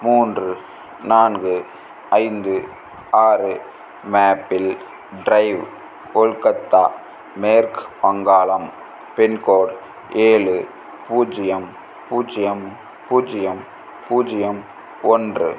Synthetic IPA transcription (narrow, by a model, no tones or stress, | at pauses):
muːndrɯ | naːnɡɯ | ɐɪnd̪ɯ | aːɾɯ | maːpːɪl | ɖɾɐɪʋ | kɔɭkɐt̪ːaː | meːɾkpɐŋɡaːlɐm | pɛnkoːɽ | eːɭɯ | puːd͡ʒɪjɐm | puːd͡ʒɪjɐm | puːd͡ʒɪjɐm | puːd͡ʒɪjɐm | ɔndrɯ̰